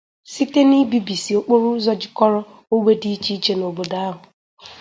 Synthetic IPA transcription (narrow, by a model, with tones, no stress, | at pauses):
si˦te˦ni˦bi˨˦bi˨si˨o˦k͡po˦ɾu˦zɔ˦d͡ʒɪ˦kɔ˦ɾɔ˦ | o˦we˦di˦t͡ʃi˦t͡ʃe˦no˨bo˨da˦a˦ɦʊ˨